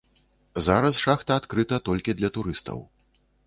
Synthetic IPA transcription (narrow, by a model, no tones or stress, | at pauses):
zaɾɐsʂaxt̪ɐːt̪kɾɨt̪ɐt̪ɔlʲkʲid̪lʲɐt̪uɾɨst̪ɐ̰w